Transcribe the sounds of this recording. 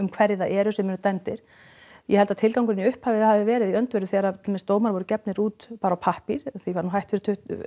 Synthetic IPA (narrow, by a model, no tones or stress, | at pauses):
ʏmkʰvɛɾðɪθaʔɛːɾʏsɛmɛnt̪ɛnt̪ɪɾ̥ | jɛhɛlt̪aðt̪ʰɪlkawŋkʏɾɪniʏhphavɪhavɪvɛːɾɪðiœnt̪vejɾʏθɛːɾat̪ʰɪlmɛst̪oːwmaɾvɔɾʏcɛpnɪɾuːt̪paːɾawpʰahpiɾ̥θivaɾnuɦajht̪fɪɾɪ̥ɾt̪ʰʏ